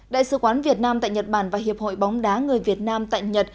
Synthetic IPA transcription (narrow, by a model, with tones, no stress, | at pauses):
ɗa̰ː˧˨jsɨ̰˧˩kwaː˨˦nvi˨˩ət̚naː˧mt̪a̰ː˧˨jɲə˨˩t̚ɓaː˧˩nvaː˨˩ɦi˨˩əp̚ho̰˧˨jɓɔ˨˦wŋ͡mɗaː˨˦ŋɨ˨˩əjvi˨˩ət̚naː˧mt̪a̰ː˧˨jɲə˨˩t̚